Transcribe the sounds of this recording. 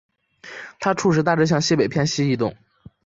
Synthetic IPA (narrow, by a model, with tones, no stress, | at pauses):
t̪ʰa˥ʈ͡ʂʰu˥˧ʂɻ̩˧˥t̪a˥˧˩ʈ͡ʂɤ˥ɕjɑ˥˧ŋɕi˥˩pe˨˩ɪpʰjɛ˥˧nɕi˥i˥˧t̪̬ʊ˥˩ŋ